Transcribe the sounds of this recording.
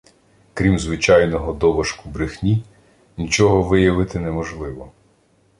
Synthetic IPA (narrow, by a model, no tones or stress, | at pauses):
kɾʲimzʋɪt͡ʃɑjnɔɦɔd̪ɔʋɐʃkʊbɾɪxnʲi | nʲit͡ʃɔɦɔʋɪjɐʋɪt̪ɪnɛmɔʒlˠɪʋɔ